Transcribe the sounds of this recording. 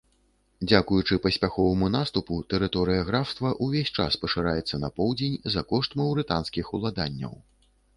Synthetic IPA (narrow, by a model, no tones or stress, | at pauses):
d͡zʲakujut͡ʂɨpɐsʲpʲaxɔvɐmunast̪uput̪ɛɾɨt̪ɔɾɨjɐɣɾawst̪vɐʔuvʲesʲt͡ʂa̰spɐʂɨɾajɛt̪sːɐnɐpɔwd͡zʲenʲzɐkɔʂt̪mɐwɾɨt̪anskʲixulˠad̪anʲːɐ̰w